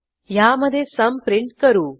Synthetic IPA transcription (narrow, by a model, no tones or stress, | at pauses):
jaːmɐd̪esɐmpɾiɳʈkɐɾu